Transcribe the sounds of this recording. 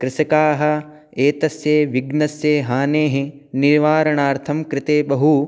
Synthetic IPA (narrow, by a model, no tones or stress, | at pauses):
kɾɪsɐkaːɦɐ̆ | eːt̪ɐsjeːʋiɡnɐsjeːɦaːneːɦe | niɾʋaːɾɐɳaːɾt̪ʰɐmkɾɪt̪eːbɐɦu